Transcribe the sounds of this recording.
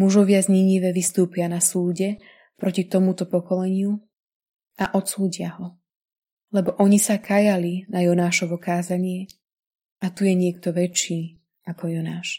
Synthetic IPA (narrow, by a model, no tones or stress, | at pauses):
muʒɔʋɪazɲiɲiʋɛʋist̪uːpɪanasuːɟɛ | pɾɔcit̪ɔmut̪ɔpɔkɔlɛɲɪu | ʔaʔɔt̪suːɟɪaɦɔ | lɛbɔʔɔɲisakʰajalinajɔnaːʃɔʋɔkaːzaɲɪɛ | ʔat̪ujɛɲɪɛkt̪ɔʋɛt͡ʃːiː | akɔjɔnaːʃ